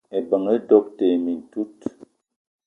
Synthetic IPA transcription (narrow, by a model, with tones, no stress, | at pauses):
e˨bə˨ŋə˦dɔ˦k̚te˨mi˨n˨tu˦t